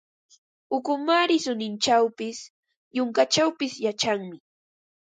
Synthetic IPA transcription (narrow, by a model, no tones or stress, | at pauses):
ʊkʊmaɾɪsʊnɪnt͡ʃawpɪs | jʊŋkat͡ʃawpɪsjat͡ʃaŋmɪ